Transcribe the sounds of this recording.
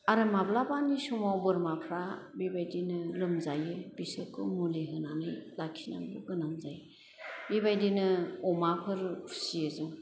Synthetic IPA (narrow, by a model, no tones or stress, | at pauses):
aɾɯmablabanisumawbɯɾmapʰɾabibajdinɯlɯmzajɯbisɯkʰɯmuliɦɯnanɯjlakʰina̰ŋbɯɡɯnamzaj | bibajdinɯɔmapʰɯɾpʰu̥siɯzɯŋ